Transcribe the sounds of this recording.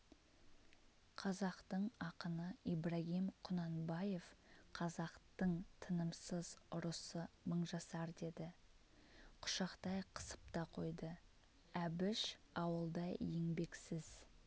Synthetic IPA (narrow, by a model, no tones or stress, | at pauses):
qʰɑzɑqt̪əɴɑqənəibraɣʲimqʰʊnɑnbɑje̞fqʰɑzɑqt̪əɴt̪ʰənəmsəzʊɾəsəməɴʒɑsɑɾd̪e̞d̪ɪ | qʰʊ̥ʃɑqt̪ɑjqʰə̥sə̥p̚t̪ɑqʰo̞jd̪ə | æbɪʃɑwəlˠd̪ɑjeŋbe̞ksɪz̥